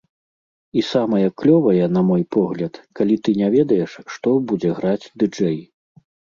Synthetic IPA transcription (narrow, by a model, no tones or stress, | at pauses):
isamɐjɐklʲɔvɐjɛnɐmɔjpɔɣlʲɐt̪kalʲit̪ɨnʲavʲɛd̪ɐjɛʂːt̪ɔbud͡zʲɛɣɾad͡zʲd̪ɨd͡ʐɛj